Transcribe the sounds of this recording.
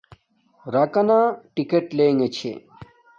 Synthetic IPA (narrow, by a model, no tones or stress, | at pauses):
ɾakanaʈikeʈleŋɡet͡ɕʰḛ